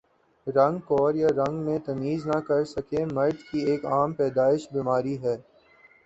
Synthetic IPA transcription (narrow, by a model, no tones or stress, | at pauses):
ɾɐ̃ŋɡkɔːɾjaɾɐ̃ŋɡmẽt̪ɐmiːznɐkɐɾsɐkemɐːʈkieːkaːmpɛːd̪aːɪʃbiːmaːɾiɦɛː